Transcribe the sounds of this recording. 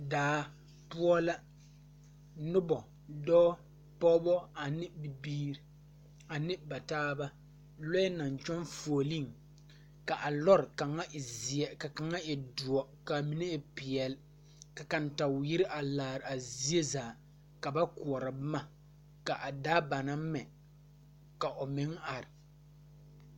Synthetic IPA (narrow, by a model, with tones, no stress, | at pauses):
daː˨˦ | pu˦ɔ˦la˦ | nʊ˦bɔ˨ | dɔː˦ | pɔ˦bɔ˦a˨nɪ˦bi˨biː˦ɾ | a˨nɪ˦ba˨taː˦ba˦ | lɔ˦ɛ˦na˨ɲ˨t͡ʃɔ˦nfo˨li˦˨ŋ | ka˨ʔa˨lɔ˦ɾɪ˨ka˨ŋa˦ɪ˨zi˨ɛ˦ka˨ka˨ŋa˦ɪ˨du˨ɔ˨ka˨mi˦nɛ˦ɪ˨pɪ˨ɛ˨l | ka˨ka˨n˨ta˨wji˦ɾɪ˦ʔa˨laː˨ɾɪ˨a˨zi˦e˦zaː˨ | ka˨ba˦ku˨ɔ˨ɾa˨bɪ˦ma˦ | ka˨ʔa˨daː˦ba˨na˦mɛ˨ | ka˨ʔʊ˨mɪ˨˦ŋa˨ɾɪ˨